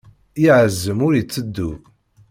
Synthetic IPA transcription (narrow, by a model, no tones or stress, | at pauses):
iʕəzːəmʊɾjət͡sːəd̪ːu